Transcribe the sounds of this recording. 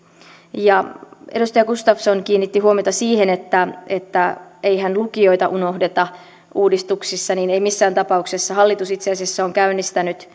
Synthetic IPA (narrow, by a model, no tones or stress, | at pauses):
jɑe̞ɾust̪ɑjɑkust̪ɑfsonkiːnːit̪ːihuomijot̪ɑsiːhe̞net̪ːæet̪ːæejɦænlukio̞it̪ɑʔuno̞hde̞t̪ɑ | uːdist̪uksisːɑniːneimisːæːnt̪ɑpɑukse̞sːɑɦɑlːit̪usit̪seɑsiesːæoŋkæynːist̪ænyt̪